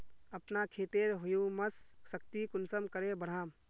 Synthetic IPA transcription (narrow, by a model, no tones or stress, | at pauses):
ɐpnakʰeːt̪eːɾɦʊjũməssəkt̪ikʊnsəmkəɾebəɽ̤aːm